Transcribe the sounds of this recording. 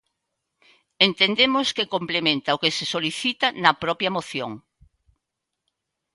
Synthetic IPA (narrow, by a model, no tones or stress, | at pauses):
ent̪end̪emʊskekomplemẽnt̪ɐʊkesesoliθit̪ɐnɐpɾɔpjɐmoθjo̰ŋ